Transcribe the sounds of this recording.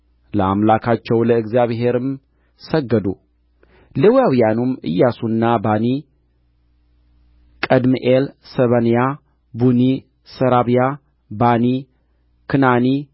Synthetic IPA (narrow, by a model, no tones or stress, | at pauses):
ləa̰mlakʰat͡ʃːɛwləɨɡzjaβɦe̞ɾɨm | səɡːəd̪u | lɨwjawijanumɨ̰jːasunːabani | kʼəd̪mɨʔelsəβənja | buni | səɾaβja | bani | kʰɨnani